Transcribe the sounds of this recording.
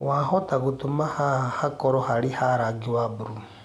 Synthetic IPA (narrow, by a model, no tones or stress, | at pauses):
waɦɔtaɣutumahahakɔɾɔhaɾihaɾaɡiwabuɾu